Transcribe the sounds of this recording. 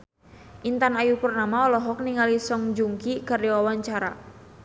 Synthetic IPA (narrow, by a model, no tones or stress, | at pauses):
ʔint̪anajupərnamaɔlɔɦɔk̚niŋalisɔŋd͡ʒuŋkikardiwawaɲt͡ʃaɾa